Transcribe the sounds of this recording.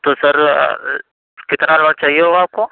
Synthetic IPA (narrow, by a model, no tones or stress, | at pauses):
t̪osɐɾ̰ | kɪt̪naləɽt͡ʃaːɦieɦoaːp̚ko